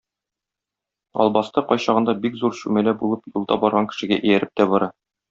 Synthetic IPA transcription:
ɒ̰lˠbɑst̪ɤqɒjɕɑʁɤ̆nd̪ɑbikzuɾɕʉmælæbulˠɤpjulˠd̪ɑbɒɾʁɑŋkɘ̥̆ʃɘ̆ɡæ̰ʔɘ̆jæɾɘp̚t̪æbɒɾɑ

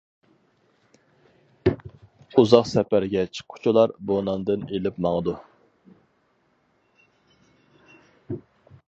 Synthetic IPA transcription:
uzɑqsɛpæɾɡʲɛt͡ʃʰqʰʊ̥t͡ʃʰulˠɑɾbonɑnd̪ɨnelɪpmɑŋəd̪u

